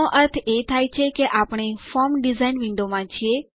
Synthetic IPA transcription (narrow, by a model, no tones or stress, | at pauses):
oʔəɾt̪ʰet̪ʰaːjt͡ʃʰekeʔapɽ̃efɔɾmɖizainʋɪ̃ɳɖomãt͡ʃʰie